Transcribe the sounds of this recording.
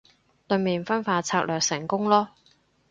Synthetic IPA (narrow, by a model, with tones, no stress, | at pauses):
t̪ɵ˧miː˨˩nfɐ˥nfaː˧t͡sʰaː˧˥k̚lœː˨k̚sɪ˨˩ŋkʊ˥ŋlɔː˥